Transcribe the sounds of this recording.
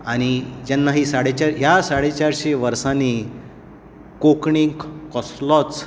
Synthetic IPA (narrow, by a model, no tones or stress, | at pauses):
aɽ̃id͡ʑɛnːaɦisaɽet͡ɕaɾɦjasaɽet͡ɕaɾɕeʋəɾsani | kokɳiŋɡkkɔslɔt͡s